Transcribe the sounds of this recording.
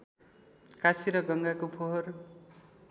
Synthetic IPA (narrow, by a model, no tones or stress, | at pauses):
kasiɾʌɡʌŋɡakopʰoɦʌr